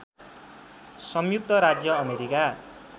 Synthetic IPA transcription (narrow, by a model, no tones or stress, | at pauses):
sʌmjuk̚t̪ʌɾad͡zjʌːmeɾika